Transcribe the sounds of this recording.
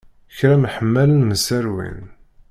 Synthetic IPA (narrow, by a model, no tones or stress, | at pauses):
çɾæmħəmːælənməsæɾwḭn